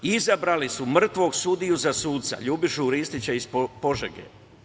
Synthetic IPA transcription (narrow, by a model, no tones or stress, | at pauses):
izabɾalisumr̩t̪ʋo̞ɡsud̪ijuzasuːt̪t̪sa̰ʎuːbiʃuɾist̪it͡ɕeispo̞ʒḛɡḛ